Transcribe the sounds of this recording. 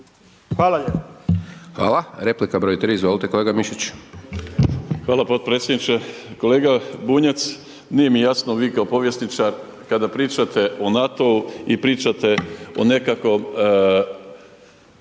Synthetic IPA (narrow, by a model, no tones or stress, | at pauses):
xʋaːlˠaep | xʋa̰ːlaɾeplikabɾojit̪ɾiizʋolit̪ekoleɡamiʃit͡ɕ | xʋaːlˠapo̞t̪̚pɾet̪sʲjed̪nit͡ʃeko̞le̞ːɡabuːɲat̪s | nije̞mijasnoʋiːkaopo̞ʋjesnit͡ʃaɾ | kad̪apɾiːt͡ʃat̪e̞ʔonat̪o̞uipɾiːt͡ʃat̪e̞o̰ne̞kako̞m